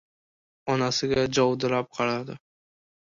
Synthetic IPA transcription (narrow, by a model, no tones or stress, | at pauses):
ɒnasɪɡʲad͡ʒɒwd̪ɪlap̚qʰɑɾad̪ɪ